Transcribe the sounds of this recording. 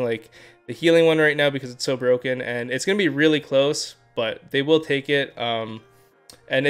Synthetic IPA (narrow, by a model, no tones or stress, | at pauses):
ŋlaɪk̚ | ðɨhilˠɪ̃ŋwʌ̃nɹaɪtⁿnaʊbɨkʰʌzɨtsoʊbɹoʊkɨ̃nɨ̃nɨtsɡ̥ʌnɨbiɹɪlˠikʰl̥oʊs | b̥ʌt̪̚ðeɪwɪlˠtʰeɪkɪt̚ʌ̃m | ʔɨ̃n